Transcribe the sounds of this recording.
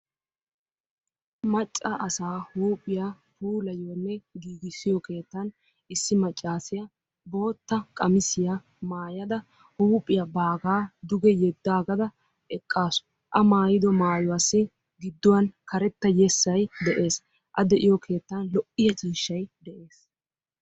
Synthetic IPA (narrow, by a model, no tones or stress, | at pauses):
mɐt͡ʃʼːɐʔɐsaːhuːpʼːɪja | huːlɐjoːnːɛɡiːɡɪsɪjɔke̞ːt̪ːɐn | ɪsːɪmɐt͡ʃʼːaːsɪjɐ | bo̞ːt̪ːɐkʼɐmɪsɪja | maːjɐd̪ɐ | huːpʼːɪjɐbaːɡaːd̪ʊɡɛjɛd̪ːaːɡɐd̪ɐ | ɛkʼːaːsʊ̥ | ʔɐmaːjɪd̪ɔmaːjɔwaːsːɪ | ɡɪd̪ːʊwɐnkɐɾɛt̪ːɐjɛsːɐjd̪ɛʔe̞ːs | ʔɐd̪ɛʔɪjɔkʰe̞ːt̪ːanlɔʔɪjɐt͡ʃʼiːʃːɐjd̪ɛʔe̞ːs